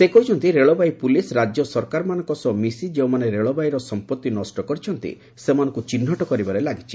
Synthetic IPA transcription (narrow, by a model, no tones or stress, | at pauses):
sekɔɦit͡ʃʰɔnt̪iɾeɭɔbaipulisɾad͡ʒjɔsɔɾkaɾɔmanɔ̃ŋkɔsɔmisid͡ʒeũmaneɾeɭɔbaiɾɔsɔmpɔt̪ːinɔsʈɔkɔɾit͡ʃʰɔnt̪ḭ | semanɔ̃ŋkut͡ʃin̤ːɔʈɔkɔɾibaɾelaɡit͡ʃʰi̥